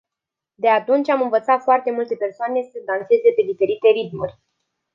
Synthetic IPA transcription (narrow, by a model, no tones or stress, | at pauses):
d̪e̞at̪unt͡ʃʲamɨnvət̪sat̪foart̪e̞mult̪e̞pe̞rsoane̞səd̪anse̞ze̞pe̞d̪ife̞ɾit̪e̞ɾit̪murʲ